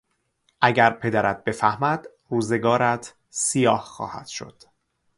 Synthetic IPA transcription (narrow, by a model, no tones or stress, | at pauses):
ʔæɟæɾpʰe̞d̪æɾæt̪̚be̞fæhmæd̪̥ | ruːze̞ɡɒːɾæt̪ʰ | sijɒːhxɒ̰ːhæ̰d̪̥ʃo̰d̪̥